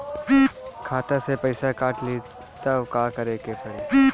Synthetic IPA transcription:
ikʰaːt̪asepɐɪsakaːʈli | t̪ɐbkaːkɐɾeːkepɐi

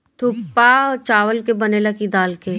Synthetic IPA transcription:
t̪ʰupːat͡ʃaːʋəlkebənelakid̪aːlke

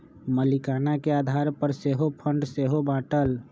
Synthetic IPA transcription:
məlikaːnakeaːd̪ʱaːɾpəɾseːɦopʰə̃ɳɖseːɦobãːʈəl

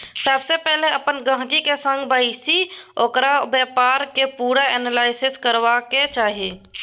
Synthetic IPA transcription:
səbsepɛɦleəpənɡə̃ɦt̪ikesə̃ŋɡbəɪsioːkɾabjɛːpaːɾkepuːɾaɛːnəlaːɪsɪskəɾʋaket͡ʃaːɦieː

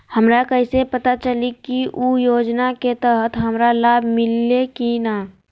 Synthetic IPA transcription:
həmɾakəɪsepət̪at͡ʃəlikiʔujoːd͡ʒnaket̪əɦət̪ʰɦəmɾalaːbʱmɪlːekina

